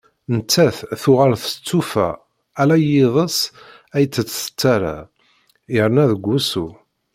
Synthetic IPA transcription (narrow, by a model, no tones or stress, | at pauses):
nt̪ːæθθʊʁaɾθə̥t͡sːufæ̰ | ælæjɪðˤəs | æjt͡sːət͡sːsə̥t͡s̪ːæɾa̰ | jəɾnæðəɡʷːusu